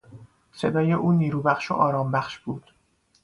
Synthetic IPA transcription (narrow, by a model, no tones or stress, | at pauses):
se̞d̪ɒːje̞ʔuːniːɾuːbæxʃo̰ʔɒːɾɒːmbæxʃb̥uːd̪̥